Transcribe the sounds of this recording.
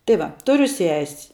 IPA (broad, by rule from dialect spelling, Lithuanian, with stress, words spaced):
tɐɪ ˈʋɐ ˈtʊrʲʊ sʲɛsʲ